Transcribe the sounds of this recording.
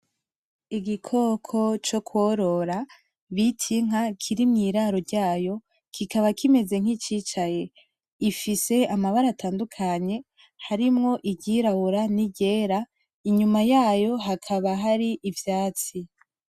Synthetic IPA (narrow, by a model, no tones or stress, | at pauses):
iɡikʰo̞kʰo̞t͡ʃo̞kwoɾo̞ɾa | βitʰiŋ̥akʰiɾimŋiːɾaɾo̞ɾɟaːjo̞ | kʰikaβakime̞ze̞ŋ̥it͡ʃiːt͡ʃaje̞ | ifise̞amaβaɾataːndukʰaɲe̞ | haɾimŋo̞ʔiɟiɾahuɾaniɟe̞ːɾa | iɲumajaːjo̞ɦakʰaβaɦaɾiʔivjaːt͡si